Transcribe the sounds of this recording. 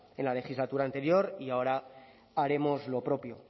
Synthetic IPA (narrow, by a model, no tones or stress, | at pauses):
e̞nlale̞xizlat̪uɾaːnt̪e̞ɾjo̞ɾiao̞ɾa | aɾe̞mo̞zlo̞pɾo̞pjo̞